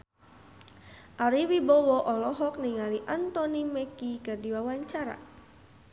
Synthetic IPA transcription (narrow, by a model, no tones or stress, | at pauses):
ʔaɾiwibɔwɔʔɔlɔɦɔk̚niŋaliʔant̪ɔnimɛkikərdiwawaɲt͡ʃaɾa̰